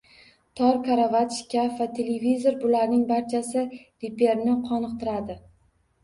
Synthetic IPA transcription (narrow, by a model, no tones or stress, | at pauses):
t̪ʰɒɾkʰaɾavat̪ʃkʲavat̪ʰe̞levizo̞ɾbʊlaɾnɪŋbaɾt͡ʃʰasɪɾepe̞ɾnɪqʰɒnɨq̚t̪ɪɾad̪ɪ